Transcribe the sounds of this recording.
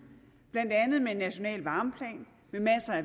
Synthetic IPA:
b̥læn̰d̥ænð̩ˠmeenːæɕo̝nɛ̰ːlʋɑ̈ːmpʰlɛ̰ːn | memæsəæ

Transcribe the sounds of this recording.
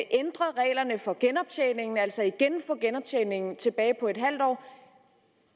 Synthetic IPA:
ʔend̥ʁɐʁɛ̰ːɪlɐnəfɒ̽ɡ̥enɒ̽b̥̚t͡sʰeːne̝ŋn̩æl̰sɒiɡ̥enfɒːɡ̥enɒ̽b̥̚t͡sʰeːne̝ŋn̩t͡sʰe̝b̥ɛːɪpʰɒ̽e̝d̥ɦæl̰d̥ɒ̰ː

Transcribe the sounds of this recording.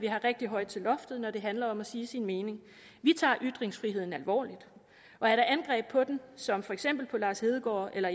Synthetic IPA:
ʋiɦɑ̈ʁeɡ̥̚d̥iɦɒ̽ɪ̰d̥t͡sʰe̝lɒ̽fd̥ð̩ˠnɒɾe̝ɦænlɐɒ̽mæsiːsinme̝ːne̝ŋ | ʋit͡sʰɑ̰̈ːʔyd̥ʁeŋsfʁiɦe̝ð̰ˠn̩ælʋɒ̰ːlid̥ | ʔɒ̽æɐɾɑ̈ʔænɡ̥ʁɛ̰ːb̥̚pʰɒ̽d̥ensɒ̽mfɒ̽eɡ̥sem̰b̥l̩pʰɒ̽lɑ̈ːshe̝ð̞ˠɡ̥ɒ̰ːelɐ

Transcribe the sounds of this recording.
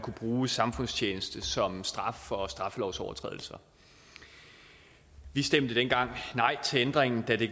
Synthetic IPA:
kʰub̥ʁuːsɑ̈mfɔ̽n̰st͡ɕʰeːnəsd̥əsɒ̽msd̥ʁɑ̈fɒ̽sd̥ʁɑ̈flɒʊsɒʊɐt͡sʰʁɛ̰ðˠl̩sɐ | ʋisd̥em̰d̥əd̥enɡ̥ɑ̈ŋ̰nɑ̈ɪ̰t͡sʰe̝end̥ʁeŋn̩d̥æd̥e̝

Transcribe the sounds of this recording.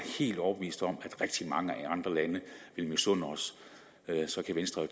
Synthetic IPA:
he̝̰ːld̥ɒʊbe̝ʋḭːsd̥ɒ̽mæd̥ʁɛɡ̥̚d̥imɑ̈ŋəæɑ̈nd̥ʁɐlænəʋe̝lmosɔn̰ɒ̽s | sɒ̽kʰæʋensd̥ʁɐ

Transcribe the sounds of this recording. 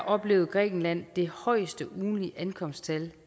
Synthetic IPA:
ʔɒ̽b̥le̝̰ːʊð̩ˠɡ̥ʁɛ̰ːɡ̥n̩læn̰d̥e̝hɒ̽ɪsd̥əʔuːnliʔænkʰɒ̽m̰sdt͡sʰæl

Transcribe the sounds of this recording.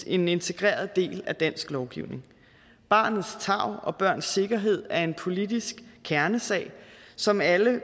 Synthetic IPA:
e̝ne̝nt͡sʰe̝ɡ̥ʁɛ̰ːɐð̩ˠd̥e̝̰ːlæd̥æn̰sɡ̥lɒʊɡ̥iʊne̝ŋ | b̥ɑ̈ːnð̩ˠst͡sʰɑ̈ʊ̰ʔɒ̽b̥ɶɐ̰nsːe̝ɡ̥ɐɦe̝ð̞̰ˠæɐe̝npʰo̝lid̥isɡ̥kʰæɐnəsɛ̰ɪsɒ̽mælə

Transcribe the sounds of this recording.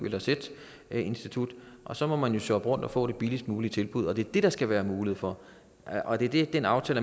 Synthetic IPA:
elɐsed̥ | e̝nsd̥it͡sʰud̥ʔɒ̽sɒ̽mɒ̽mænjo̝søb̥ʁɔ̽n̰d̥ɒ̽fɔ̰̽ːɾ̥e̝b̥ilisd̥muːlit͡sʰe̝lb̥uð̞̰ˠɒ̽d̥e̝ɐd̥e̝ɾ̥ɑ̈sɡ̥æʋæːɐmuːlheð̞̩̰ˠfɒ̽ | ʔɒ̽d̥eɐd̥e̝d̥enɑ̈ʊt͡sʰɛ̰ːlə

